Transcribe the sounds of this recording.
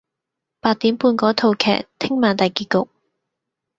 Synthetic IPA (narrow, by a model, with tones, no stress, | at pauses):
paː˧t̚t̪iː˨˥mpuː˧nkɔː˨˥t̪ʰo˨˧wkʰɛ̰ː˨˩k̚t̪ʰɪ˥ŋmaː˨˩nt̪ɐ˨jkiː˨˧kʊ˨k̚